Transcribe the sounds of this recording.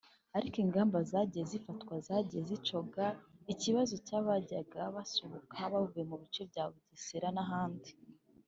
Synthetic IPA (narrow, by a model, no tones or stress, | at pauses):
aɾikiŋɡaːmbazaːɟijezifatkwazaɟijezit͡ʃo̞ɡaiciβazo̞caːβaɟaɡaβasoβokʰaβauvujemuβit͡ʃebɟaːβuɟisiɾanaɦaːndi